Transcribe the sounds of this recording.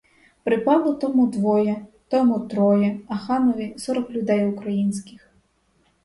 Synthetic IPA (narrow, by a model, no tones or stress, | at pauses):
pɾɨpalˠɔt̪ɔmud̪ʋɔjɛt̪ɔmut̪ɾɔjɛɐxanɔvʲisɔɾɔklʲud̪ɛjukɾajinsʲkʲix